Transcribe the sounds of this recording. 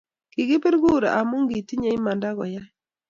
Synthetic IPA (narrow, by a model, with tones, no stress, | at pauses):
ki˨ɡɪ˦pe˦ɾɡu˦˨ɾa̰˨ʔa˨mo˦ŋɡi˨ti˦ɲa˦i˦ma˨nda˦ɡɔ̰˨ja˦